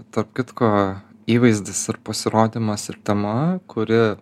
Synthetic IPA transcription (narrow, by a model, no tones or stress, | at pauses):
t̪ɐɾpkʲɪt̪koː | iːʋɐɪzʲd̪ʲɪsɐɾpɐsʲɪɾoːd̪ʲimɐsɪɾt̪ʲɛmɐkʊɾʲɪ